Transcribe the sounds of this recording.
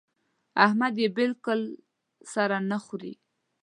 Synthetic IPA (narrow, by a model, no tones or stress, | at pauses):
ahmad̪jebɪlkʊl | saɾanaxɾḭ